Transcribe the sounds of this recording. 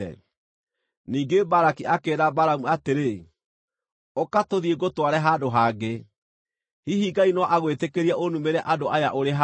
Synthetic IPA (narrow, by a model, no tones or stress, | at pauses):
ɛ̰ | niːŋɡebaɾakiʔakeɾabaɾamuateɾe | okatoðieɡotwaɾɛɦadoɦaːɡe | hiɦiːɡainɔʔaɣwetekeɾiaʔonumeɾɛʔadoʔajaʔoɾeɦa